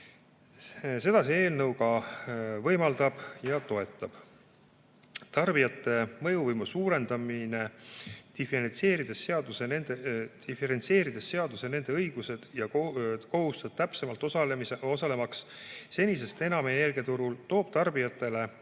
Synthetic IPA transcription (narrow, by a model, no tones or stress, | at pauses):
se̞d̪ɑsie̞ːlnɤwkɑ | vɤjmɑld̪̥ɑb̥jɑt̪o̞e̞t̪ˑːɑb̥ | t̪ɑrbijɑt̪ːˑe̞mɤ̞juvɤjmusuːɾe̞nd̪ɑmine̞d̪̥ifeɾent̪se̞ːɾid̪̥e̞sːeɑd̪usenend̪e̥ | ifeɾe̞nt̪se̞ːɾid̪̥esːe̞ɑd̪̥use̞ne̞nd̪e̞ɤjɡuse̞d̪̥jɑkko̞ɦust̪ɑb̥̚t̪æpse̞mɑlt̪ːˑosɑleeo̞sɑle̞mɑksse̞nʲis̬e̞st̪e̞nɑmene̞rɡ̥iɑt̪uɾult̪o̞ːb̥̚t̪ɑrbijɑt̪ːˑe̞le̞